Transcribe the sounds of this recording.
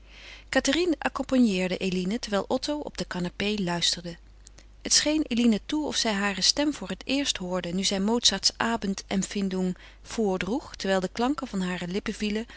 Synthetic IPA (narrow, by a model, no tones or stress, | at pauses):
katarinɑ̰kɔmpɑnjɪːɹdəʔejlinətɛɹʋɛjlˠʔɔtowɔ̰b̚dəkanapejlœɥstəɹdə | hətsχejnelinətuɔ̰fsɛjɦaːrəstɛmv̥ʊːrətɪːɹstɦʊːɹdənyzɛjmowtsatsʔaːbəntɛmfɪndum | v̥ʊːɹdruχtɛɹʋɛjlˠdəklɑŋkəvɑnɦaːrəlɪpəvilə